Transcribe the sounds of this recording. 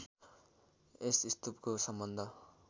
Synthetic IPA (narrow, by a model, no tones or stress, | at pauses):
esist̪upkosʌmbʌnd̪ʱʌ